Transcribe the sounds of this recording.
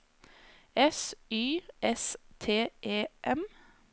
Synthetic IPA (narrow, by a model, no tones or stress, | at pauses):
ɛsyːʔɛst̪ʰeːʔeːʔɛm